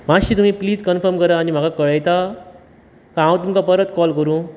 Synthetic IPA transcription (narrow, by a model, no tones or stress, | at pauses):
maɕiːt̪̬um̤ĩːpliːd͡zkənfəɾmkəɾaːnim̤aɡakəɭəjt̪a | kãɦãwt̪̬umkapəɾət̪kɔlkəɾũː